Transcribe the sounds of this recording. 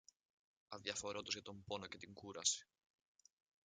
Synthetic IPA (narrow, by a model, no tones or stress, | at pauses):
ɐðjɐfo̞ɾot̪ozʝɐt̪o̞mbo̞no̞ce̞t̪iŋɡuɾɐsi̥